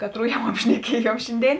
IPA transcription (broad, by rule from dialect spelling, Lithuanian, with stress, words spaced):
ˈkɑːˌtruː jɛʊ ɐpʲʃʲnʲɛˈkʲiɛjuɔm ˈʃʲɪnʲˌdʲeːɪn